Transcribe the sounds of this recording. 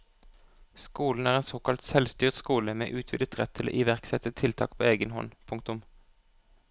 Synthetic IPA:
skuːln̩æːʁeːnsoːkɑlt̪sɛlst̪yːʁt̪skuːləmḛːʔʉːt̪ʰʋɪ̰d̪ət̪ʁɛt̪ʰːɪlo̰ːʔɪʋæʁksɛt̪ət̪ʰɪlt̪ʰɑ̰ːkpʰoːeːɡənhɔ̰npʰʊŋkt̪ʊm

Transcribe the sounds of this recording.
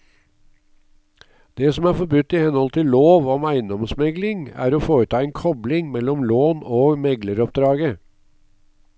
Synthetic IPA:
d̪̥ɛsɔmæːɾfɔɾbʉt̪ːɪhɛnhɔlt̪ʰɪlloːʋɔmæɪnd̪ɔmsmɛɡlɪŋæ̰ːɾoːfoːɾət̪ʰɑːɛːnkʰɔblɪŋmɛlːɔmloːnoːmɛɡləɾɔp̚d̪ɾɑːɡə

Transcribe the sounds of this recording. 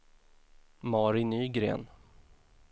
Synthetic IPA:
mɑːɾɪnyːɡɾḛːn

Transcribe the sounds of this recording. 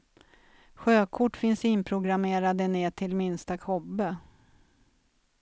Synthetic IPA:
ɧøːkʰʊʈːfɪnsɪnpʰɾʊɡɾameːɾad̪əneːʈʰɪlmɪnst̪akʰɔbːə

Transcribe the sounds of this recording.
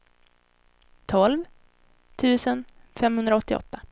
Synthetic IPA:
t̪ʰɔlv | t̪ʰʉ̟ːsənfɛmhɵnd̪ɾaɔt̪ːɪɔ̰t̪ːa

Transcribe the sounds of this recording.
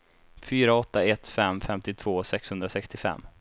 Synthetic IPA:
fyːɾaɔt̪ːaɛt̪fɛmfɛmt̪ɪt̪ʰv̥oːsɛkshɵnd̪ɾasɛkst̪ɪfɛ̰mː

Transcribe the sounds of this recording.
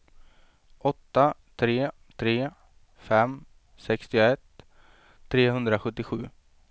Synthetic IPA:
ʔɔt̪ːat̪ʰɾeː | t̪ʰɾeː | fɛm | sɛkst̪ɪʊɛt̪ʰː | ɾeːɦɵnd̪ɾaɧɵt̪ːɪɧʉ̟ː

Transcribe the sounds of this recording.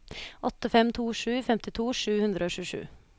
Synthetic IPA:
ʔɔt̪ːəfɛmt̪ʰuːʂʉːfɛmt̪ɪt̪ʰuːʂʉːhʉnd̪ɾəoːʃʉːʂʉ̰ː

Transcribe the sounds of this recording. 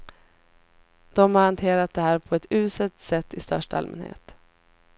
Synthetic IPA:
d̪̥ɔmhaɾhant̪ʰeːɾat̪̚d̪ɛɦæːɾpʰɔɛt̪ʉ̟ːsət̪sɛt̪ːɪst̪œ̰ʂʈa̰lmɛ̰nhḛːt̪

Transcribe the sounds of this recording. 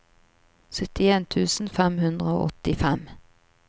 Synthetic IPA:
sœt̪ɪeːnt̪ʰʉːsn̩fɛmhʉnd̪ʁəo̰ːʔɔt̪ɪfɛm

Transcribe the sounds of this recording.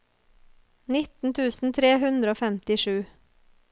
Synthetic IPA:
nɪt̪n̩t̪ʰʉːsn̩t̪ʰɾeːhʉnd̪ɾəoːfɛmt̪ɪʃʉː

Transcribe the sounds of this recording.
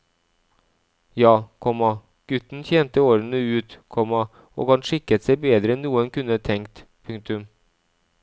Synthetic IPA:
jɑːkʰɔmɑ | ɡ̥ʉt̪ːnçɛnt̪əoːɾənəʉːt̪kʰɔmɑ | o̰ːɡhɑnʂɪkːət̪sɛɪbeːd̪ɾəɛnːuːənkʉnːət̪ʰɛŋk̚t̪ | pʰʉŋk̚t̪ʉm

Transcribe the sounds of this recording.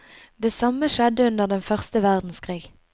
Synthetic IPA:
d̪eːsɑməʃɛd̪əʉnd̪əʁd̪ɛnfœʁst̪əʋæʁd̪n̩skʰʁiːɡ

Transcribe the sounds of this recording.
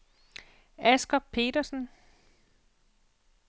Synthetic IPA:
æsɡ̥ɒb̥̚pʰe̝̰ːɾɐsn̩

